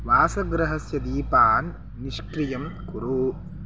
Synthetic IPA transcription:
ʋaːsɐɡɾɐɦɐsjɐd̪iːpaːnː | iʃkɾijɐmkuɾu

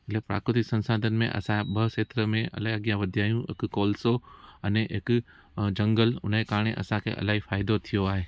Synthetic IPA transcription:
ɪlepɾa̰ːkɾɪt̪ɪksɐ̃nsaːd̪ʱənɪ̆mḛ̃ʔɐ̰sãbɐʃeːt̪ɾəmẽɐ̰ləaɡjãʋɐd̪ʱijaːjũɪ̰kkoːlsoɐneɪk | d͡ʑɐ̃ŋɡəlʊ̰nekaːɾɳ̃eʔɐ̰sãkʰḛːʔɐ̰laːɦifaːɪd̪ot̪ʰijoaːɦeː

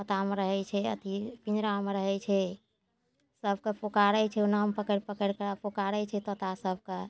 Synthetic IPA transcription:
ət̪ameɾəɦɛt͡ʃʰɛə̰t̪ipinɾameɾəɦɛt͡ʃʰɛ | səb̚ʱkepokaɾət͡ʃʰɛunampəkəɾpəkəɾkəapokaɾət͡ʃʰɛt̪ɔt̪asəb̚ʱke

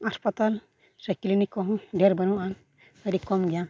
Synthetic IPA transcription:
aspat̪al | sajkilinikɔɦɔ̃ɖeɾbənuan | əɾikɔmɡɛja

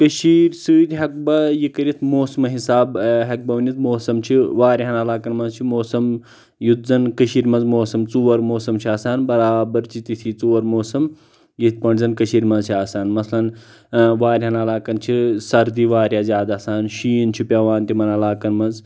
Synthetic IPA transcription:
kəʃiːɾsɨːd̪ʲɦɐk̚bɐjikɐɾʲit̪ʰmoːsɐmɐɦisaːbɦɐk̚bɐʋnit̪moːsɐmt͡ʃʰiʋaːɾʲɦɐnɐlaːkɐnmɐnzt͡ʃʰimoːsɐm | jut̪̚zɐnkɐʃiːɾmɐnzmoːsɐmt͡suʋɐɾmoːsɐmt͡ʃʰiaːsaːnbɐɾaːbɐɾt͡ʃit̪it̪ʰit͡suːʋɐɾmoːsɐm | jit̪̚ʰpɐɳzɐnkɐʃiːɾmɐnzt͡ʃʰiaːsaːnmɐsʰlɐn | ʋaːɾʲɦɐnɐlaːkɐnt͡ʃʰisɐɾd̪iːʋaːɾʲjaːzʲjaːd̪aːsaːnʃiːnt͡ʃʰipʲaʋaːnt̪ʲimɐnɐlaːkɐnmɐnz

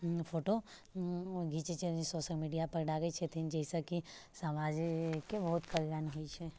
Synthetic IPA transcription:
fʰoʈo | ɡʱit͡ʃet͡ʃʰeisɔsəlmiɖijapəɾɖaɡəit͡ʃʰet̪ʰind͡ʒəisəkisəmad͡ʒkebəɦut̪kəɾɡanɦoit͡ʃʰe

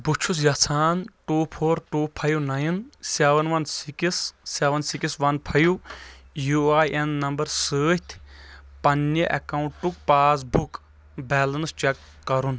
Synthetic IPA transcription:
but͡ʃʰus̬jɐt͡sʰaːnʈuːpʰoːɾʈuːpʰɐjunɐjinseʋɐnʋɐnsikisseːʋɐnsikisʋɐnpʰɐjujuaːjʔenːɐmbɐɾsəːht̪ʰpɐnːeʔɐ̰kaːũɳʈʈuk̚paːs̬buk | bɛːlɐnst͡ʃɛkːɐɾun

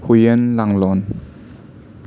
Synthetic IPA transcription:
hujənlaŋlɔn

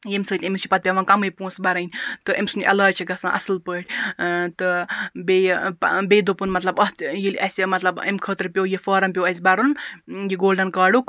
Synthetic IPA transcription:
jemsəːt̪ʲɐmist͡ʃʰipɐt̪̚pʲaʋɐːnkɐmɨjpũːsbɐɾɐnʲt̪ɨʔɐmʲsunʲʔɐ̰laːt͡ʃʰiɡɐsãːʔɐ̰sɨlpəːʈʰʲt̪ɨbebed̪upunmɐt̪lɐbɐt̪jilʲɐsʲimɐt̪lɐbɐ̰mkʰəːt̪ɾpʲjowjifɐːɾɐmpʲjowɐs̬ʲbɐɾunjiɡoːlɖɐnkaːɽuk

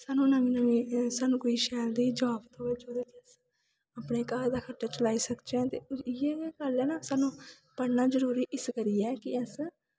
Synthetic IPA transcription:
saːnũnaːmĩːnamĩːsaːnũːkoiːʃɛːld̪iːd͡ʒaːpt̪oːeːd͡ʒoːd̪et̪eəs | aːpɳeːkaːɾd̪aːkʰəʈːaːt͡ʃəlaːiːsəkd͡ʒeɛ̃ːt̪eːɪjeːɡəlɛːnasaːnũː | pəɽnaːd͡ʒəɾuːɾiːʔɪskəɾiːɛːkɪəs

